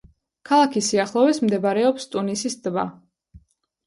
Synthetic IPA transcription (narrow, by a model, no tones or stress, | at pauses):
kʰalˠakʰisiaχlˠɔvɛsmd̪ɛbaɾɛɔpst̪ʼunisisd̪ba̰